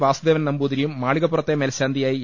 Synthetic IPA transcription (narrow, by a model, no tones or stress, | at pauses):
ʋaːsud̪eːʋɐnnɐmbuːd̪iɾijumːaːɭiɣɐpːurɐt̪ːemeːlɕaːnd̪ʱijaːji